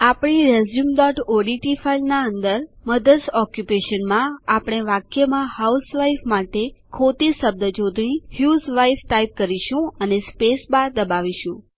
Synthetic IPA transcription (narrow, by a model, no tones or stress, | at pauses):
apɽ̃iɾezjumɖɔʈoɖiʈifailnaənd̪əɾməd̪əsɔkjupeʃənmãapɽ̃eʋakjəmãhausʋaifmaʈekʰot̪isəb̚d̪əd͡ʒod̪nihjuzʋajfʈajp̚kəɾiʃũənespesbad̪əbaʋiʃũ